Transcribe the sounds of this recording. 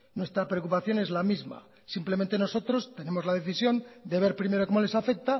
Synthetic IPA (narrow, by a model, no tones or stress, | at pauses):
nwe̞st̪ɾapɾeokupaθjo̞ne̞zlamizma̰ | simplement̪̬e̞no̞so̞t̪ɾo̞st̪e̞ne̞mo̞zlað̞e̞θisjo̞nd̪e̞βe̞ɾpɾime̞ɾoko̞mo̞le̞safe̞k̚t̪a